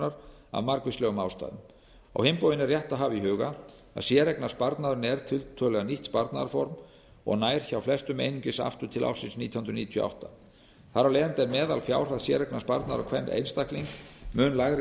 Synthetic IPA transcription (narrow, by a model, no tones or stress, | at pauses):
aɾ | a̰vmaɾkvɪslœːɣʏmawst̪a̰jðʏm | a̰whɪmpowðɪnɛɾrjɛht̪aðɦaːvɪiɦʏːɣa | a̰ðsjɛːɾɛknaspaɾt̪naðɾɪnɛɾ̥t̪ʰɪlt̪ʰœlɛɣaniht̪spaɾt̪naðaɾfɔɾm | ɔ̰ɣnaːjɾ̥çawflɛst̪ʏmḛjniɲcɪsa̰ft̪ʏt̪ʰɪla̰wsɪnsniːt̪ʰiɔhʏnd̪ɾʏniːt̪ʰjœʔa̰wht̪a | θaɾawlɛːðʏnt̪ɛɾmɛːðalfjaːwr̥aðsjɛɾɛknaspaɾt̪naðɾakʰvɛnḛjnst̪ahkliŋkmʏːnlaɣɾɪ